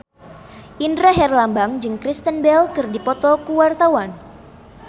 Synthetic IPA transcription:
ʔindɾaɦɛrlambaŋd͡ʒɨŋkɾist̪ənbɛlkɨrdipɔt̪ɔkuwart̪awan

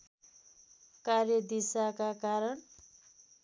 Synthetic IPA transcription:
karjʌd̪isakakaɾʌɳ

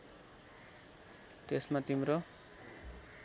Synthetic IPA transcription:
t̪esmat̪imɾo

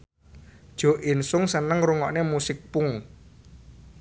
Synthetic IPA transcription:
d̥ʒ̥ɔ̤ʔinsʊŋsənəŋɾuŋɔʔnemusɪk̚pʊŋ

